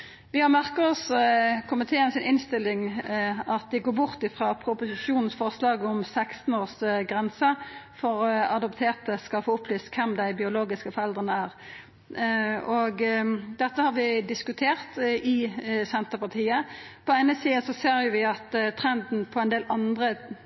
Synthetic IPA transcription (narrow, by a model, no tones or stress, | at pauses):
ʋɪhɑʁmæʁkəʁɔskʰʊmɪt̪ʰeːnsɪnʔɪnst̪ɪlːɪŋɑt̪̚d̪ɪɡoːɾbʊʁt̪ɪfʁɑːpʰɾʊpʊsɪʂuːnn̩sfɔʁslɑːɡɔmsæɪkst̪n̩oːʁsɡʁɛnsəfɔʁɑd̪ɔpt̪ʰeːʁt̪əskɑlfoːʊpʰːlyːst̪kʰɛmd̪æɪbɪʊloːɡɪskəfɔɾɛld̪ʁənəæʁ | ɔɡd̪ɛt̪ːəhɑɾʋɪd̪ɪskʉt̪ʰeːʁt̪ɪsɛnt̪əpɑt̪ʰiːəpʰɔæɪnəsiːəsɔseːɾjʊʋɪɑt̪t̪ʰʁɛnd̪n̩pʰɔɛnd̪eːlʔɑnd̪ʁə